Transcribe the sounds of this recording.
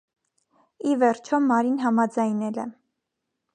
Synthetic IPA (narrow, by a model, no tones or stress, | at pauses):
ivɛɾt͡ʃʰɔmːɑɾinɦɑmɑd͡zɑjnɛlɛ